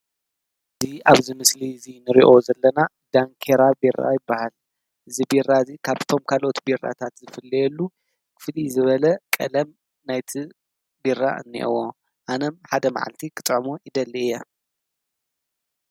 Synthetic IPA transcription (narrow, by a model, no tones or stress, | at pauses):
ʔɨziʔaβzɨmɨslizinɨɾiʔo̞zɐlːɐna | d̪̥aŋkʰeɾabira̰jɪbːahal | ʔɨzibirːazikʰaβt̪ʰo̞mkʰalʔot̪bira̰t̪ʰat̪zɨfɨlːɐjɛlːu | kʰɨ̥flizɨβɐlɐkʼɐlɐm | najt̪ʰi | birːa̰ɨ̰nːḭʔo̰wo | ʔanɐmħad̪ɐma̰ʕa̰lt̪ʰikʰɨt̪ʼʕmojɪd̪ɐlːijːa